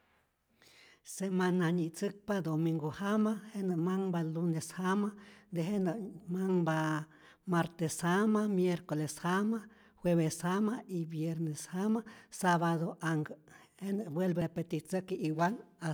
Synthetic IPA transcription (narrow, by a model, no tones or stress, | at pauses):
semanaɲit͡sɨk̚pad̪omiŋɡohamahenəmaŋbaluneshamad̪eɦenəmaŋba | maɾt̪eshamamjeɾkoleshama | hweβeshamaibjeɾneshamasaβad̪oʔaŋɡ | henəbwelbepet̪it͡sɨkʔiwana